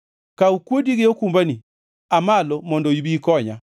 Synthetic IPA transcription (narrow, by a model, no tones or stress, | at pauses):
kaukwodiɡɪokumbani | amalɔmɔndɔibikɔɲa